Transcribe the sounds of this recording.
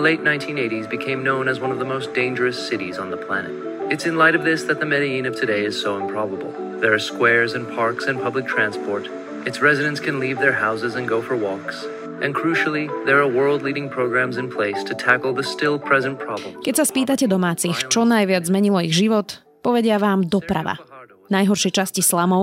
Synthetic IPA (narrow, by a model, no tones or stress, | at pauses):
leɪtⁿnãɪ̃ntʰĩneɪɾizbɨkʰẽɪ̃mnõʊ̃nɨzwʌ̃nʌvðəmoʊsd̥ẽɪ̃nd͡ʒə˞ɨsɪɾḭzn̩ðəpʰl̥æ̰nɨ̰t | ɨtsɨ̃nlaɪɾʌvðɪsðɨt̪̚ðəmɛɾiĩnʌv̥tʰɨɾeɪɨz̥soʊɪ̃mpʰɹ̥ɑbəbl̩ˠ | ðə˞ːskwɛɹzɨ̃npʰɑɹksɨ̃npʰʌblɨk̚tʰɹ̥æ̃nspʰɔɹɾ | ɨtsɹɛzɨɾɨ̃ntskʰɨ̃nlivðə˞ɦaʊzɨzɨ̃nɡoʊfə˞wɔks | ʔɨ̃nkʰɹ̥ʉʃl̩ˠiðə˞ːwɜ˞lˠdˡliɾɪ̃ŋpʰɹ̥oʊɡɹæ̃mzɨ̃npʰl̥eɪstʰɨtʰækl̩ˠðəstɪlˠpʰɹ̥ɛzɨ̃npʰɹ̥ɑblə̰̃mkɛcsaspiːt̪̬acɛd̪ɔmaːt͡sixt͡ʃɔnajʋɪad͡zzmɛɲilɔiɣʒiʋɔt̪ | pɔʋɛɟɪaʋaːmd̪ɔpɾa̰ʋa̰ | najɦɔɾʃɛt͡ʃascislamɔʊ